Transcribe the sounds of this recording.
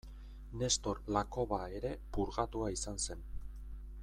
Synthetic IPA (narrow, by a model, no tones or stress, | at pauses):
ne̞st̪o̞ɾlako̞βae̞ɾe̞puɾɣat̪uaisanse̞n